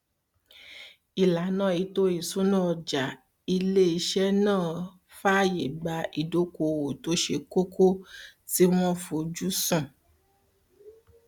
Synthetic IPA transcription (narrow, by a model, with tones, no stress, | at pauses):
i˨la˨˦nã˦˨i˨˦to˦i˨sũ˨˦nã˦˨ɔ˧˨d͡ʒa˨ | i˧le˦i˧ʃɛ˦nãː˦˨ | fa˦je˨ɡ͡ba˨˧ʔi˨do˨˦ko˧˨wo˨to˦ʃe˧ko˦kʰo˦ti˦w̃ɔ̃˦fo˧˨d͡ʒu˦sũ˦˨